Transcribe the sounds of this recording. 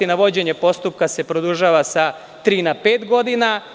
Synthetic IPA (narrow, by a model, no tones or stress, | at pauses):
inaʋo̞d͡ʑe̞ɲe̞po̞st̪up̚kase̞pɾod̪uʒaːʋasa | t̪ɾiːnapeːt̪ɡo̞d̪ina